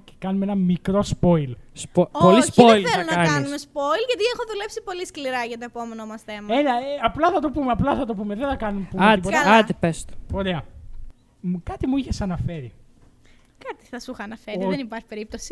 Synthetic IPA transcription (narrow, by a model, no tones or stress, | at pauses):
ce̥kɐnumeenɐmikɾo̞spo̞ilsooolisçolfelɐunɐɐnɐinusmespoilʝɐt̪iexoðule̞psipo̞liskliɾɐʝɐt̪oepo̞me̞nomɐsθe̞mɐelɐeɐplɐθɐt̪o̞pumeɐplɐθɐt̪o̞p̬umeðeθɐkɐnumepumɐipot̪ɐlɐtt̪ipest̪o̥oɾeɐ | kɐt̪imuiçe̞sɐnɐfe̞ɾḭ | kɐt̪i̥θɐsuxɐːnɐfeɾiðenipɐɾçi̥pe̞ɾip̚t̪osi̥